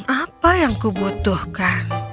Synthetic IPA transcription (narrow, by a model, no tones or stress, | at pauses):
apajaŋkubut̪ʊhka